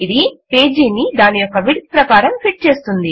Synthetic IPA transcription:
id̪ipe̞ːd͡ʒiːnid̪aːnijokːɐʋiʈ̪̚pɾɐkaːɾɐmpʰiʈ̚t͡ʃe̞ːst̪und̪i

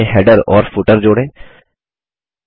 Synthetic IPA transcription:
ẽɦɛːɖəɾɔːɾfʰʊʈəɾd͡ʒoːɽẽː

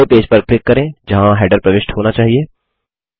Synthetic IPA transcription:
opeːd͡ʒpɐɾklɪkːɐɾẽːd͡ʒɐɦãɦɛːɖəɾpɾɐʋɪʃʈhoːnat͡ʃaːɦieː

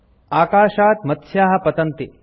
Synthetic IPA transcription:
aːkaːʃaːt̪mɐt̪ʃjaːɦɐ̆pɐt̪ɐnt̪i

